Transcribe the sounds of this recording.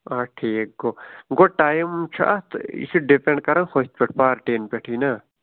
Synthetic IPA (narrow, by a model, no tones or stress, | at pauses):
aʈʰiːk̚ɡoɡoʈaːjmt͡ʃʰuʔa̰t̪ḭsuɖipeɳɖkɐɾãnxot̪̚pʲeʈʰpaːɾʈeːnpʲeʈʰina